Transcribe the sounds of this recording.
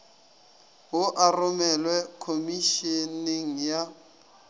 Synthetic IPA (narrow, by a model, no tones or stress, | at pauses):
ɦʊʔarʊmɛlwɛkʰomiʃenneŋ̩ja